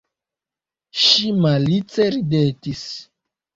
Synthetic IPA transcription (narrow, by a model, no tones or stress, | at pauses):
ʃimalit͡seɾidetis